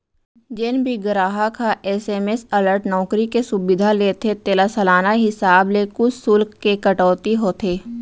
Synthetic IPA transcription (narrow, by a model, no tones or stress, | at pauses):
d͡ʒɪnbʱiɡɾaːɦakʰaʔɛːseːmesələɾʈnɔːkɾikesʊbɪd̪ʱaleːt̪ʰet̪eːlasəlaːnaɦɪsaːblekʊt͡ʃsʊlkːekəʈɔːt̪iɦoːt̪ʰeː